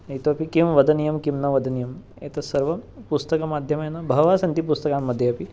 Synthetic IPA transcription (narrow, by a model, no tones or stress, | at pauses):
ɐjt̪oɐpikimʋɐd̪ʱɐnijɐmkimnɐʋɐd̪ʱɐnijɐm | ḛt̪ɐsɐɾʋɐpust̪ɐkɐmad̪ʱjɐmɐjenabʱɐʋasɐnt̪ipust̪ɐkamːɐd̪ʱːjeɐpi